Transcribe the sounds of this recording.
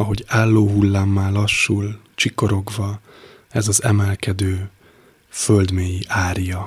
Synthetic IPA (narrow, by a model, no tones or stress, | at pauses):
ɒɦo̞ɟaːlːoːɦulːaːmːaːlɒʃːul | t͡ʃiko̞ɾo̞ɡvɒ | ɛzɒzɛmɛlkɛd̪øː | føld̪meːjiʔaːrijɒ